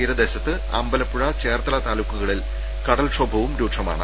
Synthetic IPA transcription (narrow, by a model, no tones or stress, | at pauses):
iːɾɐd̪e̞ːɕɐt̪ːɨ | ɐ̰mbɐlɐpːuɻɐt͡ɕe̞ːrt̪ɐlɐt̪aːlukːuɣɐɭil | kɐɽɐlʂobʱɐʋumɾuːʈʂʰɐma̰ːɳɨ